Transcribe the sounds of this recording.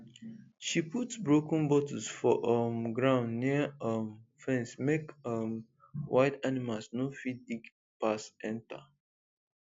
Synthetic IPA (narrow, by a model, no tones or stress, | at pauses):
ʃiputsbɹokɔ̃n̩bɔtɔsfɔʔʌmɡɹãʊ̃ndniəʌmfɛ̃nsmekʌm | wʔaɪtanimalsnofit̚biɡ | pasɛ̃nta̰